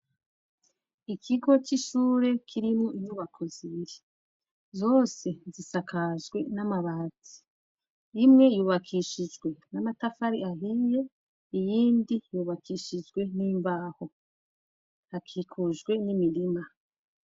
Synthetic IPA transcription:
ikʰiɡo̞t͡ʃiʃuːɾe̞kʰiɾimŋuijuβakʰoziɾe | zo̞ːse̞zisakʰazɡwe̞namaβat͡si̥ | imŋe̞juːβakʰiʃid͡ʒɡwe̞namatafaɾiaɦije̞ | ijiːndijuːβakʰiʃid͡ʒɡwe̞niːmbaːho̞ | hakʰikʰuʒɡwe̞nimiɾima

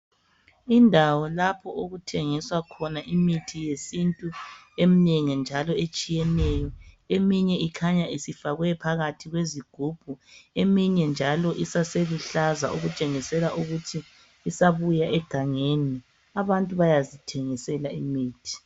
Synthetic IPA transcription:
indʱawɔlapʰɔʔoɣutʰɛŋiswakʰɔnaʔimitʰijesintʼu | emineŋind͡ʒʱalɔet͡ʃʼijɛnɛjɔ | emiɲɛikʰaɲaʔisifaɣwɛpʰaɣatʰiɣweziɡ̥ʱub̥ʱuemiɲɛnd͡ʒʱalɔʔisaseluɬazaʔuɣut͡ʃʼeŋisɛlaʔuɣutʰiː | saβujaʔɛɡ̥ʱaŋeni | aβantʼuβajazitʰɛŋisɛlaimiːtʰi̥

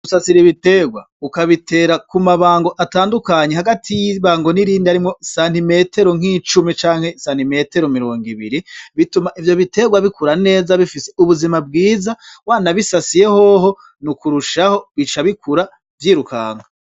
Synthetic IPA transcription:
usasiɾiβite̞ɡwa | ukaβitʰe̞ːɾakumaβaːŋɡo̞ʔataːndukaɲe̞haɡatʰijiβaːŋɡo̞niɾiːndiaɾimŋo̞saːn̥ime̞te̞ɾo̞ŋ̥it͡ʃumit͡ʃaːŋ̥he̞saːn̥ime̞te̞ɾomiɾo̞ːŋɡiβḭɾiβitumaʔivjo̞βite̞ːɡwaβikuɾane̞ːzaβifiseuβuzimabɡiːzawaːnaβisasije̞hoɦo̞ | nukuɾuʃaho̞βit͡ʃaβikʰuɾa | vjiːɾuka̰ːŋa

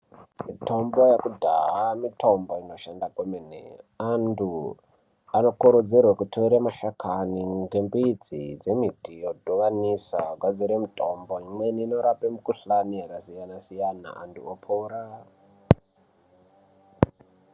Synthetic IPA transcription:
mito̞mbo̞jakudʱa̰ɦamitʰo̞mbo̞ino̞ʃandakomenḛandu | ano̞kuɾod͡zerwakutʰoiɾamaʃakʰaniŋɡembiːd͡zḭd͡ze̞mitijodʱoʋanisakwad͡ziɾemitʰo̞mboimweniːno̞ɾapemukuɬanijakasijanasijana̰a̰ntṵopʰoːɾa

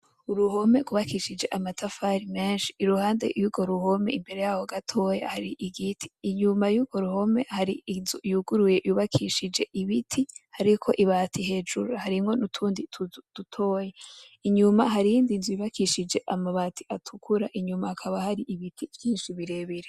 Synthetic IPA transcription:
uɾuho̞me̞kuβakiʃid͡ʒe̞ʔamatafaɾime̞ːnʃi̥ːɾuhaːnde̞̰juɡo̞ɾuho̞me̞imbe̞ɾe̞jahoɡatʰo̞jahaɾiʔiɡitʰi̥ːɲumajuɡo̞ɾuho̞me̞haɾiinzujuɡuɾuje̞juβakʰiʃid͡ʒe̞ʔiβitʰihaɾikʰo̞ʔiβaːtʰiɦe̞d͡ʒuɾuhaɾimŋo̞nutʰuːnditud̥utʰoːje | iɲumaɦaɾijiːndinzujiβakiʃid͡ʒe̞ʔamaβatiatʰukʰuɾaʔiɲumahakʰaβahaɾiʔiβitʰivjiːnʃiβiɾe̞βiɾe

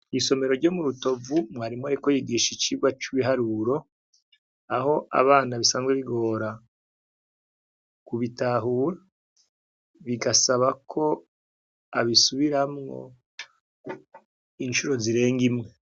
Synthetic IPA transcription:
iso̞me̞ɾo̞ɾɟo̞ːmuɾuto̞vumŋaːɾimŋoɾikojiɡiːʃit͡ʃiːɡwat͡ʃuβiɦaɾuɾo̞ | aho̞ʔa̰βaːnaβisaːnzɡweβiɡo̞ːɾa | kuβitaːɦuːɾa | βiɡasaβakʰo̞ | aβisuβiɾamŋo̞̰ | inʃuɾo̞ziɾe̞ːŋɡimŋe

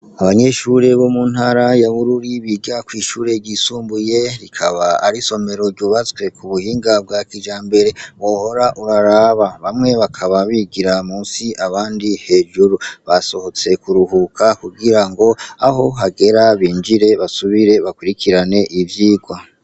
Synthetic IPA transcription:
aβaɲe̞ʃuɾe̞βo̞mun̥haɾajaβuɾuɾiβiɡakwiːʃuːɾe̞ɟisuːmbujeɾikʰaβaːɾiso̞me̞ɾo̞ɾɟuβat͡swe̞kʰuβuhiːŋɡab̚ɡakiʒaːmbe̞ɾe̞βo̞ːho̞ɾaʔuɾaɾaːβaβamŋe̞βakʰaβaβiɡiɾamuːsiʔaβaːndihe̞ːʒuɾuβaso̞ho̞t͡se̞kuɾuhukʰakuɡiɾaŋɡo̞aɦo̞ɦaɡe̞ɾaβiːnd͡ʒiɾe̞βasuβiɾe̞βakwiɾikʰiɾane̞ʔivjiːɡwa

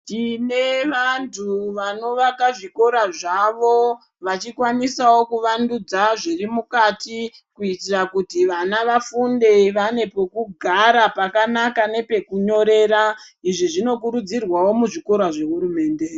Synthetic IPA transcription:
tine̞ʋantʰuʋano̞ʋakaʐiko̞ɾaʐaʋo̞ | ʋat͡ʃikwanisawo̞kuʋandud͡zaʐirimukati | kuitirakutiʋanaʋafunde̞ʋane̞po̞kuɡʱaɾapakanakane̞pe̞kuɲo̞ɾe̞ːɾaiʐiʐino̞kuɾud͡zirwawo̞muʐiko̞ɾaʐe̞ɦuɾume̞ːnde̞

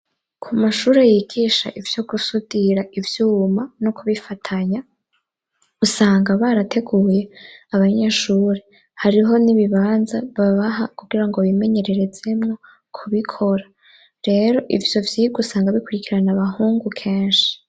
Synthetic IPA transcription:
kʰumaʃuːɾejiɡiːʃa̰ʔivjo̞ɡusudiɾaivjuːmanokuβifatʰaɲa | usaːŋɡaβaɾatʰe̞ɡuːje̞aβaɲeʃuːɾe̞ | haɾiɦo̞niβiβaːnzaβaβaɦakuɡ̥iɾaŋɡo̞βime̞ɲe̞ɾe̞ɾe̞d͡ze̞mŋo̞ | kʰuβikʰo̞ɾa | ɾe̞ːɾo̞ʔivjo̞vjiɡusaːŋɡaβikuɾikiɾanaβahuːŋɡukʰe̞ːnʃi̥

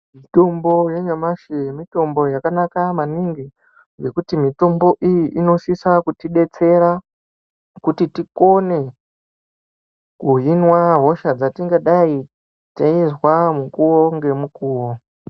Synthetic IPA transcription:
mito̞mbo̞jeɲamaʃemito̞mbo̞jakanakamaniŋɡi | ɡe̞kutimito̞mbo̞ʔijiʔino̞sisakutiɗe̞t͡se̞ɾa | kutitiko̞ne̞ | kuɦinwaɦo̞ʃad͡zatiŋɡaɗai | taizwamukuwo̞ŋɡe̞mukuːwo̞

